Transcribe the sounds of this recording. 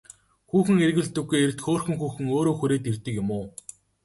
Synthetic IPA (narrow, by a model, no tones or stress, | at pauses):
xuːxɘ̆ŋerɣɘ̆ɮt̪ɵ̆ɡːujer̆t̪xoːrxɵ̆ŋxuːxɘ̆ŋoːɾoːxuɾeːt̪ert̪ɘ̆kjʊmʊː